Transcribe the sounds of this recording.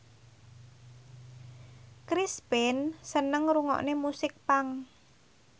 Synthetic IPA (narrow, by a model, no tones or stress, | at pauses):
kɾispɪnsənəŋɾuŋɔ̰ʔnemusɪk̚paŋ